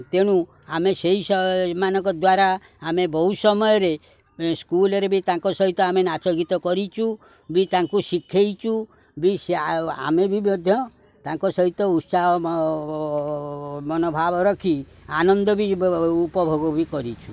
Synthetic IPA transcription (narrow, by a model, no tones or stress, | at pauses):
t̪eɽ̃u | ameseɦisɔmanɔ̃kɔd̪waɾaː | mebɔɦusɔmɔjɔɾe | skulɔɾebʱit̪ãŋkɔsɔɦit̪ɔamenat͡ʃɔɡit̪ɔkɔɾit͡ʃʰu | bit̪aŋkusikʰːejt͡ʃʰu | bisea̰mebʱibɔd̪ʱjɔ | t̪ãŋkɔsɔɦit̪ɔut̪saɦɔ | mɔnɔbʱabɔɾɔkʰi | anɔnd̪ɔbiupɔbʱoɡɔbikɔɾit͡ʃʰu̥